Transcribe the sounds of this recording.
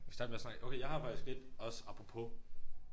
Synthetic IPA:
sd̥ɑːd̥meɐsnɑ̈ɡ̥oʊkʰejɑɪhɑ̈fɑ̈ɡ̥isɡ̥ed̥ɒ̽səɑ̈b̥ʁopʰo

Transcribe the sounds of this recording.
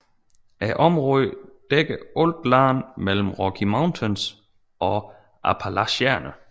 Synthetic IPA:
ʔæʔɒ̽mʁɔðˠd̥eɡ̥əɔld̥lɑ̈ːnmel̰m̩ʁɒkʰimɑ̈ʊnt͡sʰens | ʔɒ̽ | ʔæpʰælæɕæɐnʔə

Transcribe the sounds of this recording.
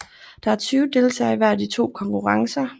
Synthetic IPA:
d̥ɑ̈æɐt͡sʰyːʊəd̥e̝lt͡sʰɛ̰ːɪʋæɐ̰d̥it͡sʰo̝̰ːkʰɒ̽ŋkʰuʁɑ̈ŋsɐ

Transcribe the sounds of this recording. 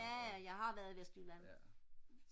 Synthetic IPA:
æjɑ̈ɪɦɑ̈ʋæːɐð̩ˠʋesd̥ulæn̰

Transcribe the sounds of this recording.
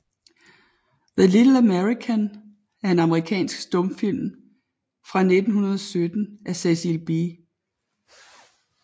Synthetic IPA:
ðəlid̥l̩æmeʁikʰæn | æɐe̝nɑ̈məʁikʰɛ̰ːnsɡ̥sd̥ɔ̽mfil̰m | fʁɑ̈ne̝d̥n̩hunɐð̞ˠɒsød̥n̩ʔæsesilb̥i

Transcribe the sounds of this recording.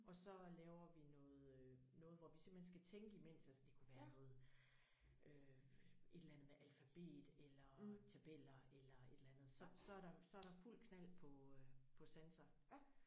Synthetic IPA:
ʔɒ̽sɒ̽lɛːʊɐʋinɔ̽ːð̩ˠ | nɔ̽ːð̞̩ˠʋɒʋise̝mb̥hens̬ɡ̥æt͡sʰeŋɡ̥əimen̰sæsnd̥ikʰuʋæːɐnɔ̽ːð̩ˠ | ʔø | ʔe̝d̥lænð̩ˠmeʔælfæb̥e̝̰ːd̥elɐt͡sʰæb̥el̰ɐelɐe̝d̥lænð̞̩ˠsɒ̽sɒ̽æɐɾɑ̈sɒ̽æɐɾ̥ɑ̈ful̰kʰnæl̰pʰɒ̽pʰɒ̽sensɐ

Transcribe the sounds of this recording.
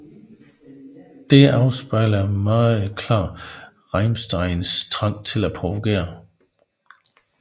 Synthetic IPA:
d̥e̝ʔɑ̈ʊsb̥ɑ̈ɪlɐmɑ̈ːð̩ˠkʰlɑ̰̈ː | ʁɑɪmsd̥ɑ̈ɪnst͡sʰʁɑ̈ŋ̰t͡sʰe̝læpʰʁoʋoɡ̥e̝̰ːɐ

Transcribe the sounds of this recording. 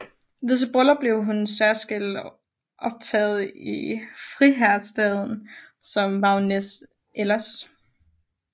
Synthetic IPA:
ʋes̬əb̥ʁɔlɐb̥le̝ʊɦunsæɐsɡ̥el̰d | ʔɒ̽b̥̚t͡sʰɛ̰ːð̩ˠifʁiɦæɐ̥sd̥ɛð̞ˠn̩sɒ̽mmɑ̈ʊnes | ʔelɐs

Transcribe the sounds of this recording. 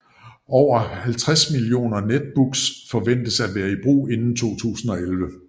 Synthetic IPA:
ɒʊ̰ɐhælt͡sʰʁasmilio̝̰ːnɐned̥̚b̥uɡ̥sfɒ̽ʋen̰d̥əsæ̥ʋæːɐib̥ʁṵːe̝nn̩t͡sʰo̝̰ːt͡sʰṵːsn̩ɒ̽elʋə

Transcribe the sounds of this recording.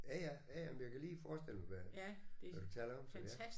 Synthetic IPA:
jæjæjæjæmmnjakʰæliːfɒːsd̥el̰mɑʋæ | æd̥ut͡sʰɛːlɐɒmsɒj

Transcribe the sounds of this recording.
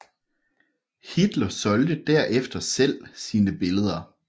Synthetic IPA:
hid̥lɐsɒ̽ld̥əd̥æɐ̰ʔefd̥ɐsel̰siːnəb̥e̝ləð̞ˠɐ

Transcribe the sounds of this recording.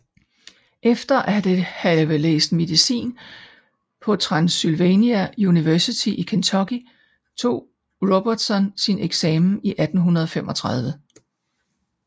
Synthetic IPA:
ʔefd̥ɐʔæd̥ehæʋelḛːsd̥me̝ðˠisḭːn | pʰɒ̽t͡sʰʁɑ̈nsylʋeniæuniʋæɐsit͡sʰiʔikʰent͡sʰɒ̽ɡ̥i | t͡sʰo̝̰ː | ʁob̥ɐd̥sɒ̽nsineɡ̥sɛːmn̩iʔæd̥n̩ɦunɐðˠɒfem̰ɒ̽t͡sʰʁɑð̞ˠʋə

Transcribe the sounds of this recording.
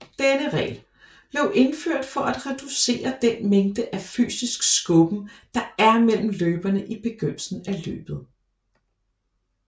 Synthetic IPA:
d̥enəʁɛ̰ːl | b̥le̝ʊʔe̝nføɐ̰d̥fɒ̽ʔæd̥ʁɛd̥use̝̰ːɐd̥enmeŋd̥əʔæfy̰ːsisɡ̥sɡ̥ɔb̥m̩d̥ɑ̈æɐmel̰m̩løːb̥ɐnəʔib̥e̝ɡ̥øn̰l̩sn̩ælø̰ːb̥ð̞̩ˠ

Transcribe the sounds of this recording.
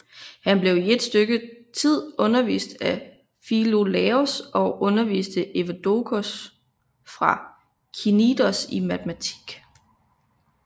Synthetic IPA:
hænb̥le̝ʊie̝d̥sd̥øɡ̥ət͡sʰið̰ˠɔ̽nɐʋḭːsd̥æ | filo̝lɛosɒ̽ʔɔ̽nɐʋḭːsd̥əʔe̝ʋæd̥o̝kʰos | fʁɑ̈ | kʰinid̥ɐsimæd̥ʰmæt͡sʰi̥ɡ̥

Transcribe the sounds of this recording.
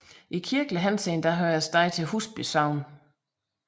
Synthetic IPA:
ʔikʰiɐɡ̥ləɦænsend̥ɑɦøːɐsd̥ɑ̈ɪt͡sʰe̝lɦusb̥ysɑ̈ʊ̰n

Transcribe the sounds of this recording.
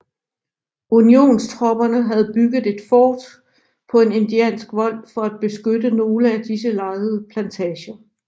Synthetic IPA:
unio̝̰ːnst͡sʰʁɒ̽b̥ɐnəɦæð̞̩ˠb̥yɡ̥ð̞̩ˠe̝d̥fɒːd̥ | pʰɒ̽e̝ne̝nd̥iɛ̰ːnsɡ̥ʋɒ̽l̰fɒ̽æd̥̚b̥e̝sɡ̥ød̥əno̝ːləæd̥is̬əlɑ̈ɪð̩ˠəpʰlænt͡sʰɛːɕɐ

